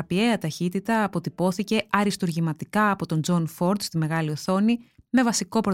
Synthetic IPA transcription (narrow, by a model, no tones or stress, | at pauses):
ɐpie̞ɐt̪ɐçit̪it̪ɐːpo̞t̪ipo̞θice̞ɐɾist̪uɾʝimɐt̪ikɐːpo̞t̪o̞nd͡zo̞nfo̞ɾd̪st̪ime̞ɣɐlio̞θo̞nime̞vɐsiko̞pɾo